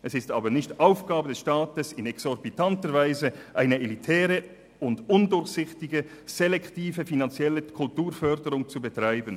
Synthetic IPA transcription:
ʔɛsɪstaːbənɪçtʔaʊfɡ̥aːbədɛsʃtaːtəsɪnɛksɔɾbitantəɾvaɪzəʔaɪnəelitʰɛːʁə | ʊndʊndʊɾçsɪçtɪɡə | z̥ɛlɛktiːvəfinant͡sjɛləkʰʊltuːɾfœʁdəʁʊŋt͡subətʁ̥aɪbən

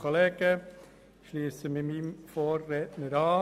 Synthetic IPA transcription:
oleːɡ̥ə | ʃliːəsəmɪmimfoːrːɛtnəɾɑː

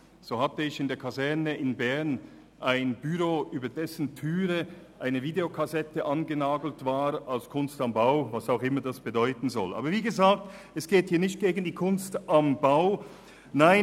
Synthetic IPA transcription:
z̥oːhatəɪçɪndeːɐkʰazɛɐnəɪnbɛɐn | ʔaɪnbyʁoːʔyːbɐdɛsn̩tʰyːʁəʔaɪnəviːdeokʰazɛtəʔanɡənaːɡl̩tv̥aːʁalskʰʊnstambaʊvasaʊxɪmɐdasb̥ədɔʏtn̩zɔ̰lʔa̰ːbɐviːɡəzaːk̚t | ɛsɡ̥eːthiːɐnɪçt̚ɡ̥eːɡn̩diːkʰʊnstʔambaʊ | naɪ

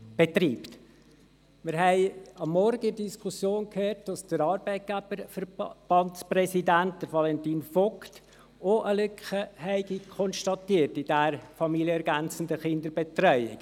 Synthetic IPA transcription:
b̥et̪riːpt | mɪɾɦɛɪɑmːɔɾɡəɪdiskʰusjoːnkʰhøːrt̚d̥ɑsd̥əɾɑːɾbɛɪt̚ɡ̥æb̥əɾfəɾb̥ɑntsprɛsidænt̚d̥əɾvɑlɛntiːnfɔkt | oʔəlʏkχəhɛɪɡikʰχɔnʃtɑt̪iːrtɪd̥æɾfɑmiljəɛɾɡænt͡sən̩dəχɪndəɾbet̪rœʏɪ̰k

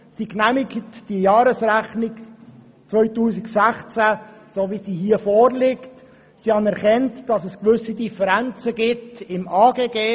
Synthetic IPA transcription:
siknæmɪɡətd̥ijɑːɾəsɾæχnɪk | t͡svœʏtuːsɪksæχt͡sæsoːvisiːhiːəfoːɾlɪkt | siːhɑnɛɾʁχɛntd̥ɑsɛskvʏsidifəɾænt͡səɡɪtɪmʔaːɡeːɡeː

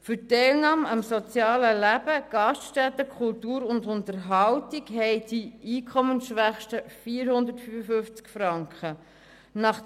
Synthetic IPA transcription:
fʏtɛɪlnɑːmɑmsɔt͡sjɑːləlæb̥əɡ̥ɑstʃtɛt̪əkʰχʊltuːɾʊndʊntəɾɦɑwtɪkɦɛɪd̥iiːkʰɔmənsʃʋæχʃtəfiːɾhʊnd̪ətfyfəfʏft͡skfɾɑŋkχə | nɑχ

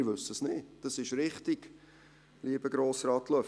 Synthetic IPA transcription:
ɾʋɵsəsnɪːd̥ɑsɪʃɾɪχtiɡ | liəbəɡɾoːsrɑːtlœ

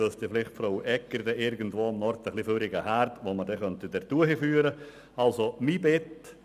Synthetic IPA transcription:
ølsd̥ifɪlɪχtfɾoːʔɛkːəɾdɛʔɪɾɡən̩tvoːmnɔɾt̪əχliføɾɪɡəhæɾtʋomədɛχœntidɛɾtuːəhifyːəɾə | ɑlsomibɪt

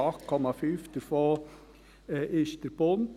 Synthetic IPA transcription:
ɑkʰɔmɑfʏft̪əfoː | ʔɪʃt̪əɾbʊn

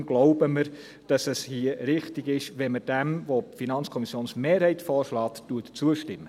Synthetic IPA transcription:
ɡ̥lɔʊbəməɾ | d̥ɑsɛshiəɾɪχtɪɡɪʃʋɛnməd̥ɛmvofinɑnt͡skʰɔmisjoːnsmeːɾhɛɪtfɔːɾʃlɑːttuətt͡suəʃtɪmːə

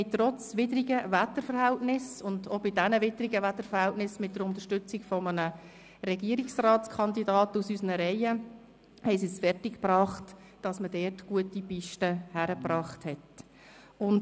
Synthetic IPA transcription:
ɪtrɔt͡sʋɪdɾiɡəʋætəɾfəɾhæltnɪsʊndobidænəʋɪdəɾiɡəʋætːəɾfəɾhæltnɪsmɪt̚d̥əɾʊntəʃtʏt͡sɪɡfɔmənə | ɾɛɡiəɾiksrɑːtskʰɑndidɑːtusysənəɾɛɪə | hɛɪsisfɛrtɪkpɾɑːχt | d̥ɑsmədɛːtɡ̥uətipɪʃtəhæɾəprɑːχthɛt | ʊn

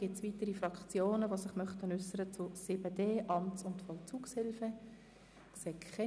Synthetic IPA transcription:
ɡ̥ɪtsʋiːtəɾifrɑkt͡sjoːnəʋosɪχmœχtənʏsəɾət͡sʊsɪbədeːʔɑmtt͡sʊntfɔlt͡suːkshɪlfə | kseːkʰχɛ

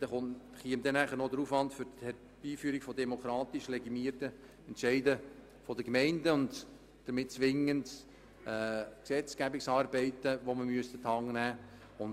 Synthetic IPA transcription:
d̥ɛχʊn | χiəmd̪ɛnæχəɾnod̪əɾufʋɑntfʏɾthɛɾ | b̥iːfyəɾikfɔdɛmokʰɾɑːtɪʃlɛɡimiərtə | ɛntʃɛɪdə | fɔdəkmɛɪndəʊnd | d̥əɾmɪt̚t͡sʋɪŋːənd | ɛːksɛt͡skæbɪksɑːrbɛɪtəʋoməmyəst̪ət̪ʰɑŋnæː | ʊn

